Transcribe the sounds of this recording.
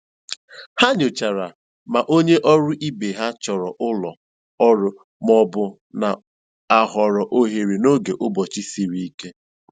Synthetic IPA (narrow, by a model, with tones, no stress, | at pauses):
ha˦ɲʊ˨t͡ʃa˨ɾa˨ | ma˨ʔo˦ɲe˦ʔɔ˦ɾʊ˦ʔi˦be˨ɦa˦t͡ʃɔ˨ɾɔ˨ʔʊ˦lɔ˨ | ɔ˦ɾʊ˦ | m˦ɔ˦bʊ˦ | na˨ | a˨ɦɔ˨ɾɔ˨ʔo˦ɦe˨ɾi˨no˦ɡe˨ʔʊ˦bɔ˨t͡ʃi˦si˨ɾi˦i˦ke˦